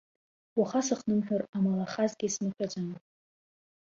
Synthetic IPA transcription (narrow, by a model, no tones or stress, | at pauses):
waχasɨχnɨmħᶣʊramalaχazɡʲisnɨħʲʷᶣad͡zʷʼan